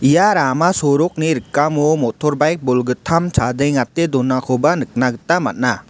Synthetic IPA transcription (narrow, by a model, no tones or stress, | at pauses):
ijaɾamasɔɾɔk̚niɾɯkːamumɔtʰɔɾbajk̚bɔlɡɯtʰamsʰadejŋatedɔnakʰɔbanɯk̚naɡɯtamat̚na